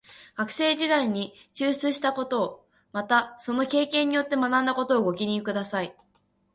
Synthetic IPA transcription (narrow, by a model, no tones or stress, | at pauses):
ɡ̥akɯ̟̥se̞ːʑid̪aiɲ̟it͡ɕɨːɕt͡sɨɕi̥t̪ako̞t̪o̞ː | mat̪aso̞no̞ke̞ːkẽ̞ɲ̟ːijo̞t̪ːe̞manãnd̪ako̞t̪o̞ːɡo̞kʲiɲ̟ikɯ̟d̪asai